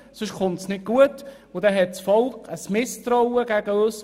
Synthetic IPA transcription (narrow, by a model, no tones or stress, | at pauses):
sʊʃχʊntsnɪt̚ɡ̥uət | ʊd̪ɛɦɛt̚t͡sfɔlkʰəsmɪstrɔʊəɡ̥æɡ̥əøs